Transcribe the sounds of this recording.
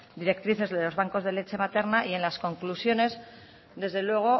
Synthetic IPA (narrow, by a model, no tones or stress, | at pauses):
d̪iɾe̞k̚t̪ɾiθe̞zðelo̞zβaŋko̞zðe̞le̞t͡ʃe̞mat̪e̞ɾnaʔie̞nlasko̞ŋklusjo̞ne̞z | d̪e̞zðe̞lwe̞ɣ̞o̞